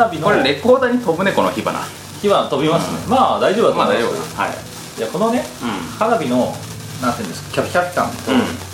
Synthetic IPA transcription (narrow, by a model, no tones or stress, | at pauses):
abʲinokoɾeɾe̞poːd̪aɲ̟it̪o̞bɯ̟nekonoçiba̰na̰ | çibanat̪o̞bʲimasɨnemaːd̪aiʑobd̪aad̪ajobha̰j | d͡ʑako̞no̞ne̞haɾabʲino̞ | nãnt̪ɨɯ̃ːnd̪e̞sɨ̥kḁkʲakʲakt̪ã̰nt̪o